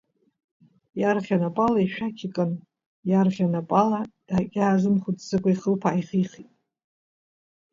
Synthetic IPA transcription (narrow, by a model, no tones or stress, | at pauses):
jarχʲanapʼalaiʃᶣakʲʰikʼɨn | jarχʲanapʼalad̥akʲʼaːzɨmχudzɨkʷʼaiχəlpʰaiχiχitʼ